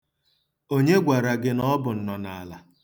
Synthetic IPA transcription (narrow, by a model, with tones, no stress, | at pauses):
o˦ɲe˦ɡʷa˨ɾa˨ɡɪ˦nɔ˦bʊ˨n̩˨nɔ˨na̰˨la˨